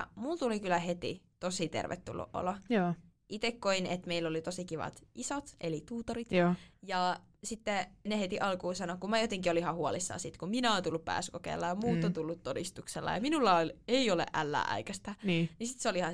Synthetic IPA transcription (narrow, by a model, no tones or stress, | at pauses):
mult̪ulikylːˑæhet̪ḭt̪osit̪ḛrʋʔḛt̪ːṵlːṵʔʔo̰lojoː | ʔit̪ekkoinet̪meilːolit̪osikiʋɑ̰t̪ʔisot̪ʔelit̪uːt̪orit̪ːjɑ | sit̪ːenehet̪iʔɑlkuːsɑnokummæjot̪eŋkiolihɑhuɑlisːɑ̰ːsit̪kumminæont̪ulːuppæ̰ːsy̥kokḛːlːɑjɑmmuːt̪ːɑt̪ulːut̪t̪odist̪ukselːɑ̰jɑminulːɑoleiolḛʔʔælːæ̰ːʔæ̰ikæst̪ænːnisit̪seolihɑ